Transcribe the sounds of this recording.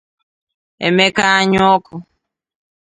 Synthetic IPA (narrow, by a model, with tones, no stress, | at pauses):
ḛ˨me˦ka˦a˦ɲɔ˦kʊ˨